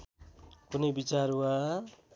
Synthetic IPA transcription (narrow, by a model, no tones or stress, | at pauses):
kunejbit͡saɾwa